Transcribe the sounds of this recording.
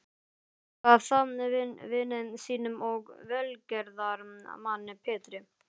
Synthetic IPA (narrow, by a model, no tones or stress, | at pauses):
aðθanvnvɪnːɪnsiːnʏmɔɣvɛlcɛɾðaɾmanːɪpʰɛːt̪ɾɪ